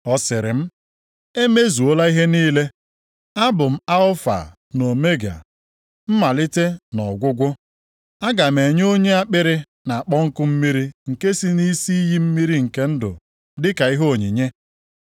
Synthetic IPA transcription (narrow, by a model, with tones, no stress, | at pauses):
ɔ˦sɪ˨ɾɪ̰˨m̩˦ | e˦me˦zu˨o˦la˦i˦ɦe˦niː˦le˦ | a˦bʊ˨m̩˦a˦ʊ˦fa̰˨ | no˨me˦ɡa̰˨ | m̩˦ma˨lɪ˦te˦nɔ˨ɡʷʊ˦ɡʷʊ˦ | a˦ɡa˨m̩e˨ɲ˦o˦ɲe˦a˦k͡pɪ˦ɾɪ˦ | na˨a˨k͡pɔ˦ŋ̩˦kʊ˦m̩˦mi˦ɾi˦ŋ̩˨ke˦si˦ni˦si˦i˦ji˦m̩˦mi˦ɾi˦ŋ̩˨ke˦n̩˦dʊ̰˨ | dɪ˦ka˨i˦ɦo˦o˨ɲi˨ɲe˦